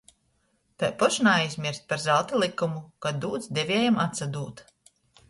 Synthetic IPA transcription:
t̪ajpɔʃnaajzʲmʲiɾst̪̚paɾzalˠt̪ʲilˠikːumukad̪uːd̪zd̪ɛvʲeːjamat̪sad̪uːt̪

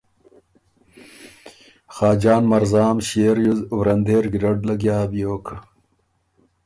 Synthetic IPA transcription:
xaːd͡ʑaːnmɐɾzaːmɕeːɾjuzwɾɐnd̪eːɾɡiɾɐɖlɐɡjaːbijoːkʰɐ

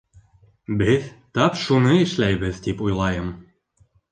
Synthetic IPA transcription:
bɘðt̪ɑpʃunɤɘ̆ʃlæjβɘðt̪ipujlˠɑjɤm

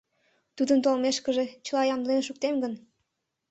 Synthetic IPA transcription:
t̪ud̪əmt̪olmeʃkəʒe̽t͡ɕəlˠɑjɑmd̪lenʃuk̚t̪emɡən

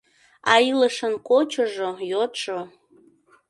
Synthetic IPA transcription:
ɑiləʃənkot͡ɕoʒojot̪ʃo

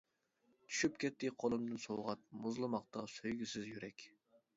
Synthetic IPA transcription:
t̪ʰy̥ʃypkʲʰɛt̪ːɪqʰolˠɨmd̪ɨnsowʁɑt̪̚mʊzlˠɨmɑqt̪ʰɑsøjɡʲysɪzjyɾɛkʲ

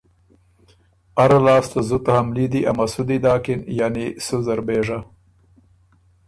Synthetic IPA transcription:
aɾalɑːst̪azut̪ahamlid̪iʔa̰masud̪id̪ɑːkɪnjanisuzaɾbeːʐa

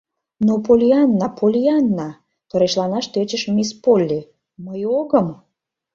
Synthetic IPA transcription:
nopolʲiɑnːɑpʰolʲiaɑnːɑ | t̪oɾeʃlɑnɑʃt̪øt͡ɕeʃmespolʲːe | məjoɣəm

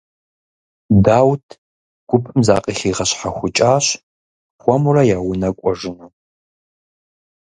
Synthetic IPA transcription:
daːwtʰ | ɡ̥ʷʊpʰɨmza̰ːqʼiχiːʁɐɕħaxʷʊt͡ʃʼaːɕ | xʷɔmurɐjaːwʊnɐkʷʼɔʒɪnɐ

